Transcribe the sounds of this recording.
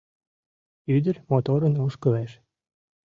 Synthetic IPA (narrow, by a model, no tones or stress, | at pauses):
yd̪əɾmot̪oɾənoʃkə̆læʃ